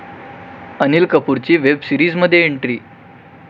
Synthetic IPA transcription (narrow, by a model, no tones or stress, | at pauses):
ənilkəpuɾt͡ɕiːʋebsiɾiːd͡zməd̪ʱːjeeɳʈɾiː